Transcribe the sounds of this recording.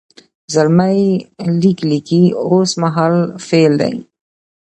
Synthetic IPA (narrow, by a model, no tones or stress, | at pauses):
zəlməjliklikiosmaɦalfeld̪ɐ̰j